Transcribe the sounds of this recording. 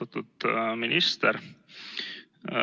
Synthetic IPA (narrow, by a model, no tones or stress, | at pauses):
ɑt̪ːud̪minist̪ɛɾ